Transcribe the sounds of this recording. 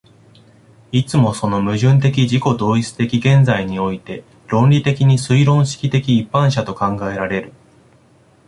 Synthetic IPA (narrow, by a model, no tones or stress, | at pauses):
it͡sɨmo̞so̞no̞mɯ̟ʑɨ̃nt̪̬e̞k̬ʲid͡ʑiko̞d̪o̞ːit͡sɨ̥t̪e̞kʲiɡẽ̞nd͡zaiɲ̟io̞it̪e̞ | ɾõ̞nɾʲit̪e̞kʲiɲ̟isɨiɾõ̞ɰ̃ɕi̥kʲit̪e̞kʲiːpːãɰ̃ɕat̪o̞kãŋɡae̞ɾaɾe̞ɾɯ̟